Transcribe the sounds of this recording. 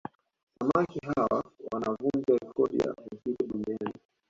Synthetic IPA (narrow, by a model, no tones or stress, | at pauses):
wamakiɦawawanavund͡ʒwaikʰɔɾḭa̰uziɾiɓuŋɡɛni